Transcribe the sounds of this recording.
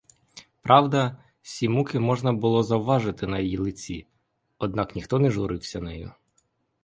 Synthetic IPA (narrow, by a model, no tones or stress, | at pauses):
pɾɑwd̪ɐ | sʲimukɪmɔʒnɐbʊlˠɔzɐwʋɑʒɪt̪ɪnɐjɔjilˠɪt͡sʲḭ | ɔd̪nɑknʲixt̪ɔnɛʒʊɾɪwsʲɐnɛjʊ̰